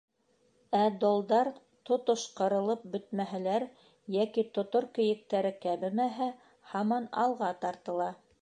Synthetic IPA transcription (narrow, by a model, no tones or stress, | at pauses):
æd̪olˠd̪ɑɾ | t̪ŏt̪oʃqɤ̆ɾɤ̆lˠɤp̚bɵ̆t̪̚mæɦælæɾ | jækit̪ŏt̪oɾkɘ̆jɘ̆k̚t̪æɾɘkæβɘmæɦæ | hɑmɑnɑ̰lˠʁɑt̪ɑɾt̪ɤ̆lˠɑ